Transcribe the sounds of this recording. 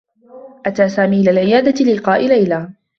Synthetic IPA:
ʔat̪aːsaːmiːʔɪlaːlʕɪjaːd̪alɪqɑːʔɪlajlaː

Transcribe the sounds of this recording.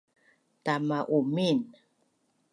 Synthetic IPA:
tamaʔumin

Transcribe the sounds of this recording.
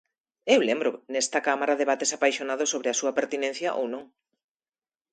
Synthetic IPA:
ewlembɾʊnɛst̪ɐkamaɾaðeβat̪esapajʃonaðʊsoβɾɪasuɐpeɾt̪inẽn̟θjɐʔo̰wnõŋ

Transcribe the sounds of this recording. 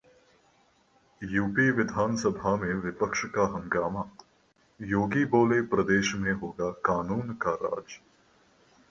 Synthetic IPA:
juːpiʋɪd̪ʱaːnsəbʱamẽʋɪpəkʃkaɦɐ̃ŋɡaːmaː | joːɡiboːlepɾɐd̪eːʃmẽɦoːɡakaːnuːnkaɾa̰ːd͡ʒ

